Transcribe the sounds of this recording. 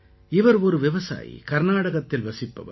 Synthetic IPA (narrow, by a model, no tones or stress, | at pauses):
ɪʋɐɾɔɾɯʋɪʋɐsa̰ːjḭkɐɾnaːɽɐɣɐt̪ːɪlʋɐsɪpːɐ̰ʋɐ̰